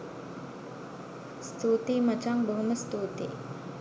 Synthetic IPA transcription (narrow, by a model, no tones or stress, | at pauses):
st̪uːt̪iːmɐt͡ʃaŋbəɦuməst̪uːt̪ḭː